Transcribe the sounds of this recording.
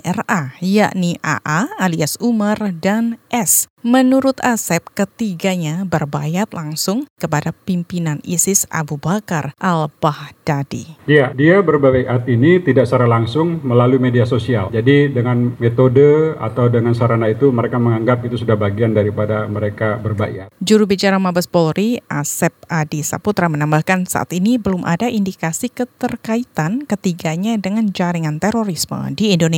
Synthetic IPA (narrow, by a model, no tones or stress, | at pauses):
ʔɛraja̰ʔniʔa̰ʔaaliasumardanʔɛsmənuɾʊt̪asɛp̚kət̪iɡaɲabərbajat̪laŋsʊŋkəpadapimpinanisɪsʔa̰bubakarʔalbahd̥adḭjadiabərbaɡajʔat̪init̪idaʔsaɾalaŋsʊŋməlalumediasosiald͡ʒadidəŋanmet̪odəa̰t̪awdəŋansaɾanait̪uməɾekaməŋaŋɡap̚ɡit̪usudahbaɡiandaɾipadaməɾekabərbaʔj̰at̪̚d͡ʒuɾubit͡ʃaɾamabasbolɾʔiʔasɛp̚ʔadisa̰put̪ɾamənambahkansa̰ʔa̰t̪inibəlʊmʔa̰daʔindikasikət̪ərkait̪ankət̪iɡaɲadəŋand͡ʒaɾiŋant̪eɾoɾismə̰diːndone